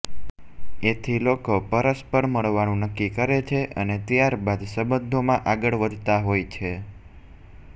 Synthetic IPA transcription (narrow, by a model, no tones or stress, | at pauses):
et̪ʰilokopəɾəspəɽməɭʋanũnəkːikəɾet͡ʃʰeʔənet̪jaɾbad̪səbənd̪ʱomãʔaɡəɭʋəd̪ʱt̪aɦojt͡ʃʰe